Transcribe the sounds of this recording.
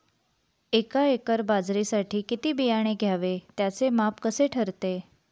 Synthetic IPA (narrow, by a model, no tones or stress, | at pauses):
ekaekəɾbad͡zɾisaʈʰiːkit̪iːbijaɽ̃eɡʱjaʋet̪jat͡semapkəseʈʰəɾt̪e